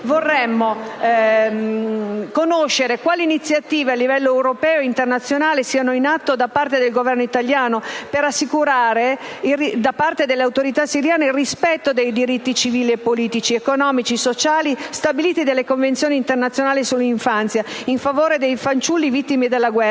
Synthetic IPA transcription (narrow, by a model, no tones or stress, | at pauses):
vorːɛmːo | konoʃːeɾekwaːliːnit̪sːjat̪iːvealːivɛlːoewɾopɛːoeint̪ernat̪sːjonaːlesiːanoinat̪ːod̪apart̪ed̪elɡovɛrnoit̪aljaːnopeɾasːikuɾaːɾeiid̪apart̪ed̪elːeawt̪oɾit̪asːiɾjaːneilrispɛt̪ːod̪ejd̪iɾit̪ːit͡ʃiviːliepːoliːt̪it͡ʃiekonɔːmit͡ʃisot͡ʃaːlist̪abiliːt̪id̪elːekoɱvent̪sjoːnint̪ernat̪sːjonaːlisulːiɱfant̪sjaiɱfavoːɾed̪ejfant͡ʃulːivit̪ːimid̪elːaɡwɛr